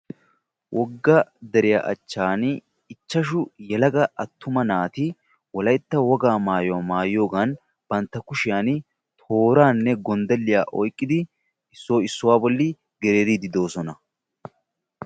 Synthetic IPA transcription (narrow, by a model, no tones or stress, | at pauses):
wʔɔɡːɐd̪ɛɾɪja̰ːʔɐ̰t͡ʃːaːn | ɪt͡ʃːɐʃʊjɛlɐɡɐʔɐt̪ːʊmɐnaːt̪ɪ | wɔlɐjt̪ːɐwɔɡaːmaːjɔwamaːjːo̞ːɡɐn | b̥ɐnt̪ːɐkʊʃɪjaːn | t̪ʰo̞ːɾaːnːɛɡɔnd̪ɐlːɪjaːʔɔjkʼːɪd̪ɪ | ɪsːoːɪsːʊwaːbɔlːɪ | ɡɛɾeːɾid̪ɪd̪o̞ːsɔnɐ